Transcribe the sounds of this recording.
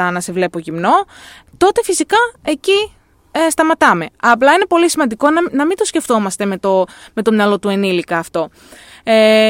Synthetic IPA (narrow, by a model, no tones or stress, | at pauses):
ɐnɐse̞vle̞poʝimno̞ | t̪o̞t̪e̞fisikɐe̞ci | st̪ɐmɐt̪ɐme̞ɐplɐine̞po̞lisimɐnd̪iko̞nnɐmint̪o̞sce̞ft̪o̞mɐst̪e̞me̞t̪ome̞t̪o̞mɲɐlo̞t̪ue̞nilikɐːft̪o̞ | e